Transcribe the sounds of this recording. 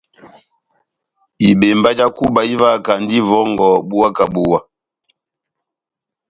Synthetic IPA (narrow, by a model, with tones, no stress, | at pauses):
i˨ɓe˨mba˦d͡ʒa˦ku˦ba˨i˦va˦˨ka˨n˦di˦vɔ˦ŋ˨ɡɔ˨bu˦wa˦ka˨ɓu˦wa˦